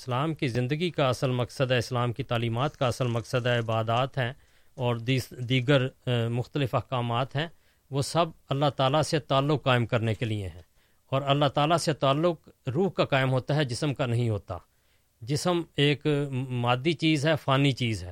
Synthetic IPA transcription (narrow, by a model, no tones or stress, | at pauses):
ɪslaːmkizɪ̃nd̪əɡikaɐsəlmɐksəd̪ɛɪslaːmkit̪aːliːmaːt̪kaɐsəlmɐksəd̪aɪbaːd̪aːt̪ɦɛ̃ː | ɔːɾd̪id̪iːɡəɾmʊxt̪əlɪfɐhkaːmaːt̪ɦɛ̃ː | ʋosɐbɐlːaɦt̪aːlaset̪aːlːʊkːaːɪmkɐɾnekeliḛɦɛ̃ː | ɔːɾɐlːaɦt̪aːlaset̪aːlːʊkɾuːɦkakaːɪmɦoːt̪aɦɛd͡ʒɪsəmkanɐɦĩɦoːt̪a̰ː | d͡ʒɪsəmeːkmaːd̪ːit͡ʃiːzɦɛfaːnit͡ʃiːzɦɛː